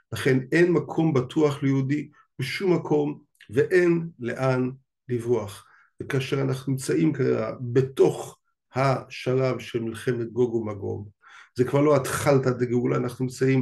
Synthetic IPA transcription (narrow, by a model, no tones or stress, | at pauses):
laχe̞ne̞nmakʰo̞mbatʰuaχlejodi | beʃumːakʰo̞m | veʔenle̞̰ʔan | livuaχ | vekaːʃeʁanaχnunimt͡saʔimka̰a̰be̞to̞χ | haʃalavʃelmilχe̞me̞t̪̚ɡo̞ɡomaɡo̞̰m | zekvaʁlo̞at̪χaltateɡeulaːnaχnunimt͡saim